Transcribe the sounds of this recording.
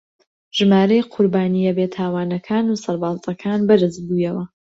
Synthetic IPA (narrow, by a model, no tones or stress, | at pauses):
ʒ̥ɨmaːɾɐjqʰʊɾbaːnijɐbeːt̪ʰaːwaːnɐkʰaːnusɐɾbaːzɐkʰaːnbɐɾɨzbuːjɐwɐ